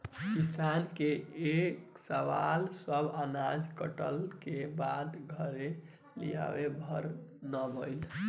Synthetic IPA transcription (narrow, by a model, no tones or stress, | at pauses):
kisankeek | səʋalsəbʱanad͡ʒkəʈəlkebad̪ɡʱəɾe | lḭja̰webʱəɾnəbəjl